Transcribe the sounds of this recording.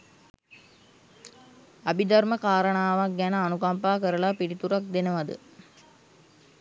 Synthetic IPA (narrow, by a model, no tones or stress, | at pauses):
ɐbid̪ɐɾməkaːɾəɳaːʋak̚ɡænəɐnukampaːkəɾəɭapiɽit̪uɾak̚d̪enɐʋɐd̪ɨ̰